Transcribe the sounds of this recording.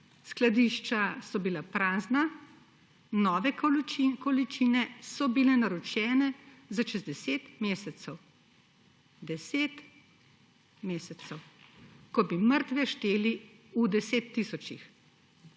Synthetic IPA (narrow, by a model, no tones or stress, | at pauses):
sklad̪iːʃt͡ʃasɔbilapɾaːzna | nɔːʋɛkɔlit͡ʃinɛsɔbilɛnaɾɔt͡ʃɛːnɛzaʃɛzd̪ɛseːt̪meːsɛt̪sɛw | d̪ɛseːt̪ | meːsɛt̪sɛwkɔbiməɾt̪ʋɛʃt̪eːli | ud̪ɛseːt̪ːisɔt͡ʃix